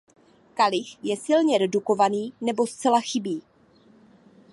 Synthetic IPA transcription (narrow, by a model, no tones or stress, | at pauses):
kalɪxjɛsɪlɲɛɾɛduko̞vaniːnɛbo̞st͡sɛlaxɪbiː